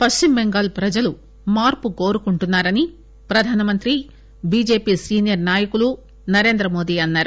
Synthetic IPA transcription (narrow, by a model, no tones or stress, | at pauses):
pɐsʈimbeŋɡaːlpɾɐd͡ʒɐlu | maːɾpuko̞ːɾukuɳʈunːaːɾɐni | pɾɐd̪ʱaːnɐmɐnt̪ɾi | biːd͡ʒe̞ːpiːsiːnijɐɾnaːjɐkulu | nɐɾe̞ːnd̪ɾɐmo̞ːd̪iːɐnːaːɾu